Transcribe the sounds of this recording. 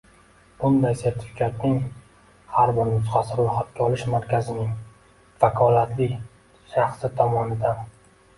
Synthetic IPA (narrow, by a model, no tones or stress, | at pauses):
b̥ʊnd̪ajseɾt̪ʰɪ̥fkʲʰat̪nɪŋ | haɾbɪɾmʊsχasɪɾʊjχat̪̚kʲaɒlɪʃmaɾkʲʰazɪnɪŋ | fakʰɒlat̪lɪ | ʃaχsɪt̪ʰɒmɒnɪd̪an